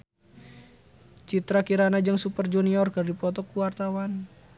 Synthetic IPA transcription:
t͡ʃit̪ɾakiɾanad͡ʒəŋsupərd͡ʒuniɔrkərdipɔt̪ɔkuwart̪awan

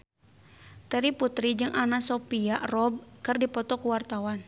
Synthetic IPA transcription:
t̪ɛɾiput̪ɾid͡ʒɨŋʔanasɔpiaʔrɔb̚kɨrdipɔt̪ɔkuwart̪awan

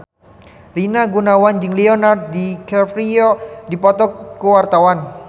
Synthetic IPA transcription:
rinaɡunawand͡ʒɨŋliɔnard̪̚dikɛfɾiɔdipɔt̪ɔkːəwart̪awan

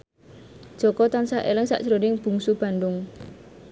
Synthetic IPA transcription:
d̥ʒ̥ɔkɔt̪ansaʔḛlɪŋsa̰ʔsəɾonɪŋb̥ṳŋsub̥a̤nd̪ʊŋ

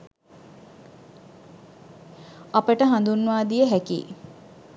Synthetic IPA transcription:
apəʈəɦand̪unːuʋaːd̪ijəɦækḭː

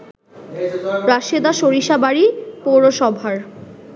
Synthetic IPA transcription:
ɾaʃied̪aʃoɾiʃabaɾipowɾoʃɔbʱaɾ

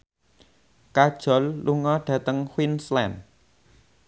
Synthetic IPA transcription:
kad̥ʒ̥ɔ̤lːuŋɔɖ̥ä̤t̪əŋxwinslɛn

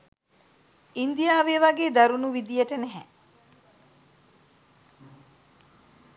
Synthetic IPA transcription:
ind̪ijaːʋeʋaɡeːd̪aɾunuʋid̪ijəʈənɛɦɛ

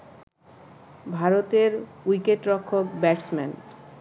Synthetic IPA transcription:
bʱaɾot̪eɾwikeʈɾokʰːokbɛʈsmɛn

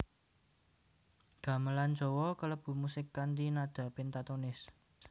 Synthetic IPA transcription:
ɡ̥ä̤məlan̥d͡ʒ̥ɔ̤wɔkələb̥ṳmusɪkːant̪inad̪̥ä̤pɪnt̪at̪onɪs

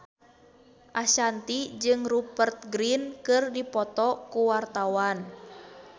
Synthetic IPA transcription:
ʔaʃant̪id͡ʒɨŋrupərt̪̚ɡɾinkɨrdipɔt̪ɔkuwart̪awan

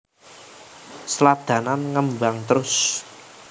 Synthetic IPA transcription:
səlad̪̥ä̤nanŋəmbaŋt̪əɾʊs

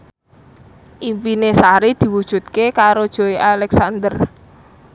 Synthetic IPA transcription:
ʔimpinesaɾid̪̥i̤wud̥ʒ̥ṳt̪̚kekaɾod̥ʒ̥o̤iʔalɛksand̪ər

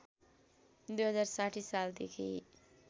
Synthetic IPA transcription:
d̪ujɦʌd͡zarsaʈʰisald̪ekʰi

